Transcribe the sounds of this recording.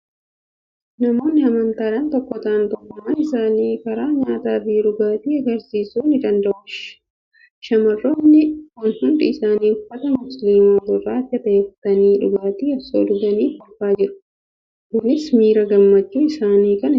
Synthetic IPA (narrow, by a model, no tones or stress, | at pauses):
nɐmo̞ːnːɪɐmɐnt̪aːᶑɐnt̪ɔkːɔt̪aːnt̪ɔkːɔmɐnɪsaːniːkɐɾaːɲaːt̪aːfiᶑʊɡaːt̪iːɐɡɐɾsiːsuːnɪd̪ɐnd̪ɐʔʊʃ | ʃɐmɐrːoːnːɪkʊnhʊndɐɪsaːniːfɐt̪ɐmʊslimaːdʊraːt̪ːɐt̪ɐeːfɐt̪ɐniːᶑʊɡaːt̪iːɐso̰ːlʊɡɐniːfʊlfaːd͡ʒɪɾʊ̥ | kʊnɪsmiːɾɐɡɐmːɐt͡ʃːuːɪsaːniːkɐn